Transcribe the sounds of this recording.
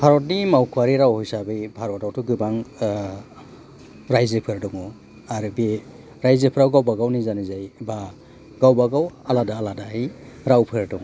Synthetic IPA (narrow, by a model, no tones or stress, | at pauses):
bʱaɾɔtnimawkʰuwaɾiɾawhɔjsabɯjbʱaɾɔtawtʰuɡɯbaŋ | ɾajzepʰɯɾdɔŋɔ | aɾɯbe | ɾajzepʰɾawɡawbaɡawnizanizajba | ɡawbaɡawaladaːladaaj | ɾawpʰɯɾdɔŋ